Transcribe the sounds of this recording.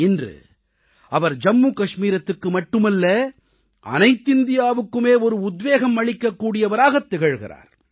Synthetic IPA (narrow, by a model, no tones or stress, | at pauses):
ɛndrɯ̰ | ɐʋɐɾd͡ʒɐmːuːkɐʂmiːɾɐt̪ːɯkːɯmɐʈːɯmɐlːɐ | ɐ̰nɐɪt̪ːɪnd̪ɪjaːʋɯkːɯmeːɔɾɯʊd̪ʋeːɣɐmːɐɭɪkːɐkːuːɽɪjɐʋɐɾaːɣɐt̪ːɛɣɐɻɣɪ̰ɾa̰ːɾ